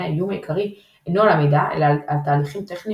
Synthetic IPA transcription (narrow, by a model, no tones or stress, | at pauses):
aijumaikʰaʁi | ejnoalamedaʔḛlalalt̪aːliχimt̪eχni